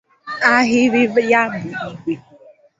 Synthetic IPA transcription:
a˦ɦɪ˦ɾi˦vja˦mi˨i˦ɡ͡be˨

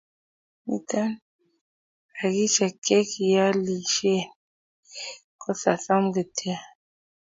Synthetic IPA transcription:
mḭ˦ta˦n | a˨ɡi˦t͡ʃa˨kɛ˦ki˨ja˦li˨ʃe˦˨n | kɔ˦sa̰˨sa˦m˦ɡe˨tʰɛ˦a˨

